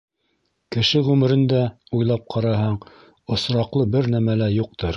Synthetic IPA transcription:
kɘ̆ʃɘʁʉmɘ̆ɾɘ̆nd̪æ | ujlˠɑp̚qʰɑɾɑɦɑɴ | ŏsɾɑqlˠɤbɘɾnæmælæjuq̚t̪ɤɾ

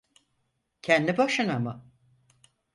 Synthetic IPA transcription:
cʰɛnd̪ibaʃɯnamɯ

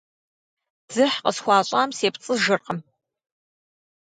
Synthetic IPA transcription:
d͡zɨħqəsxʷɑːɕʼaːmseːpt͡sʼɨʒɨrqəm

